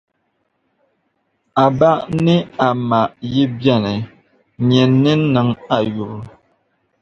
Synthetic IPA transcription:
a˨ba˦ʔni˦a˨ma˨ʔji˦bjɛ˦˨nɛ˨ | ɲɛ˨nːi˦nə˨˦ŋa˨ju˨ɾ

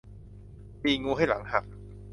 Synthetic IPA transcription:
piː˧ŋuː˧ɦa˥˩jla̰˩˦ŋha˨˩k̚

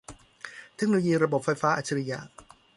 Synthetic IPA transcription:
t̪ʰe˦˥k̚noː˧o˧jiː˧ɾa˧bo˨˩p̚fːa˧jfaː˦˥ʔa˨˩t͡ɕʰːa˧ɾa˧ja̰ː˧˩

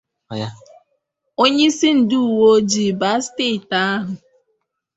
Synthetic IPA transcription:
ja˦ | o˦ɲe˦i˦si˦n̩˨du˦u˨wo˦d͡ʒi˨ba˦ste˦˨ta˦a˦ɦʊ˨

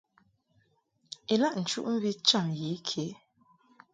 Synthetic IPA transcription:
e˨la˦˨ʔn̩˨t͡ʃṵ˦ʔm̩˦bi˦t͡ʃa˦˨ŋji˨˦kʰe˨˦

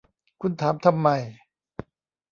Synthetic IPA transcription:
kʰu˧nt̪ʰaː˩˦mt̪ʰa˧mːa˧˩j

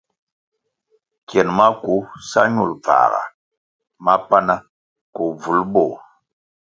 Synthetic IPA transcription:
kjɛ˨nma˦ku˨˦sa˦ɲu˨lp͡fa̰ː˨ɣa̰˨ | ma˦pa˦na˦ | ku˨b͡vu˨lbɔ˦˨

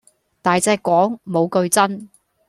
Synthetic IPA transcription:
t̪aː˨jt͡sɛː˧kʷːwɔː˨˥ŋmo˨˧wkɵ˧ɥt͡sɐ˥n

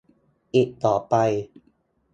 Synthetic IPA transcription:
ʔi˧˩t̚t̪ɔː˨˩pa˧j

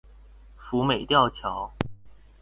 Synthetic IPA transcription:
fu˨˥me˨˩ɪt̪jɑ˥˨˩ʊt͡ɕʰjɑ˨˦ʊw

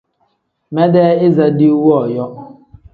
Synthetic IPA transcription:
mɛ˦dɛ˦ɪ˦za˦dɪ˦u˦wɔ˨jɔ˦

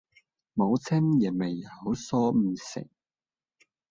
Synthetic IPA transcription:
mo˨˧wt͡sʰɪ˥ŋjɐ˨˩me˨˩jho˨˥wsɔː˥m̩ː˨sɪ̰˨˩ŋ̚

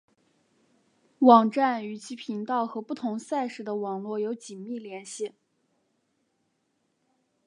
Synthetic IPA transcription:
wɑ˨˩ŋʈ͡ʂa˥˩ny˧˥˩t͡ɕʰi˧˥pʰi˧˥ŋt̪ɑ˥˩ʊxɤ˧˥pu˥˩t̪ʰʊ˧˥ŋsa˥˩ɪʂɻ̩˧˥d̪ə˧wɑ˨˩ŋlwɔ˥˩jo˧˥ʊt͡ɕi˨˩nmi˥˩ljɛ˧˥nɕi˥˩

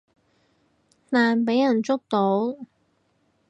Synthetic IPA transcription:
t̪aː˨npe˨˥jɐ˨˩nt͡sʊ˥k̚t̪o˨˥w

